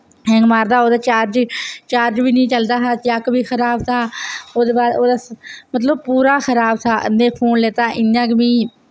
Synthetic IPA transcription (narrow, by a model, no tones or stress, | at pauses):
ɦɛ̃ːŋɡmaːɾd̪aːoːd̪aːt͡ʃaːɾd͡ʒt͡ʃaːɾd͡ʒbiːnĩːt͡ʃəld̪aːɦaːt͡ʃəkbiːxʰəɾaːbt̪ʰaːoːd̪eːbaːoːd̪aːmət̪̬ləb̚puːɾaːxəɾaːbt̪ʰaːʔə̰nẽːpʰoːnleːt̪aːʔɪnãːkmiː